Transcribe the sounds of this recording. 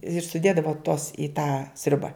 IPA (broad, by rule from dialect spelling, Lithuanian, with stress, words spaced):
ɪr sʊˈdʲeːdɐʋoː tuɔs ɪ tɑː ˈsʲrʲʊbɑː